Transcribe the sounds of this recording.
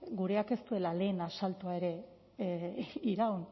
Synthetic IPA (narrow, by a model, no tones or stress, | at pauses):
ɡuɾe̞ake̞st̪ue̞lale̞ːnasalt̪oae̞ɾe̞ | iɾawn